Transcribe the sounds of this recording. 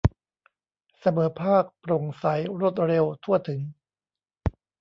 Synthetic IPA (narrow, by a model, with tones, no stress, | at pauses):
sa˧mɤː˩˦pʰaː˥˩k̚pɾo˨˩ŋsa˩˦jɾo˦˥˩t̪̚ɾe˧wt̪ʰu˥˩ɐt̪ʰɯ˩˦ŋ